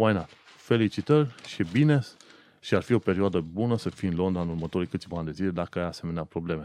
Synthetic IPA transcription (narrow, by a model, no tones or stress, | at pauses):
wajnat̪ | fe̞lit͡ʃit̪ərʲʃibine̞s | ʃiarfio̞pe̞ɾioad̪əbunəsəfiɨnlo̞nd̪ɾaɨnurmət̪o̞ɾijkɨt̪sʲivaand̪ezile̞d̪akəajase̞meneapɾo̞ble̞me̞